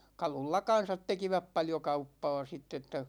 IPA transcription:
kɑlulːɑ kɑn̞sɑt tekiʋæp pɑljo kɑupːɑː sitː etːæ

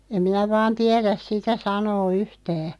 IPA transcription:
em minæ ʋɑːn tiɛræs sitæ sɑnoː yhtæː

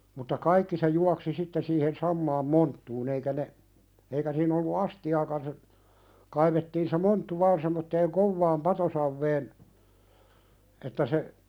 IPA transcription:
mutːɑ kɑikːi se juɑksi sitːe siːhen sɑmːɑːm montːuːn eikæ ne eikæ siːn olːu ɑstiɑːkɑn se kɑiʋetːiːn se montːu ʋɑːn semːotːeːŋ koʋːɑːm pɑtosɑʋːeːn etːæ se

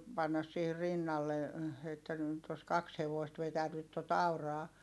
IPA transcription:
pɑnːɑs siːhir rinːɑlːe etːæ nyˑt os kɑks heʋoist ʋetænyt tot ɑurɑː

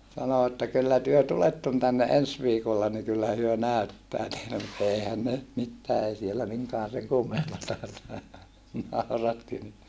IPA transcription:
sɑno etːæ kylːæ tyø tuletːon tænːe ens ʋiːkolːɑ ni kylːæ hyø næˑytːæː teile mut eihæn ne ny̆t mitːæː ei sielːæ miŋkɑːn seŋ kumːempɑtɑ nɑˑurɑtːi ni

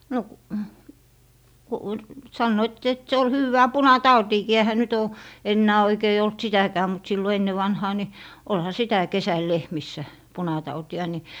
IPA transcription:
no k ku sɑnːoit et se ol hywːæː punɑtɑutiːkiː ehæ nyt oː enːæː oikei olt sitækæː mut silːo enːe ʋɑnhɑː ni olhɑ sitæ kesæl lehmisːæ punɑtɑutiɑ ni

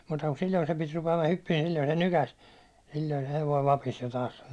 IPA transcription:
muːtɑ ku silʲːoi sem pit rupeɑmɑ hypːiːn̞ ni silʲːoi se nykæs silʲːoi se heʋoi ʋɑpis jo tɑːs sɑno

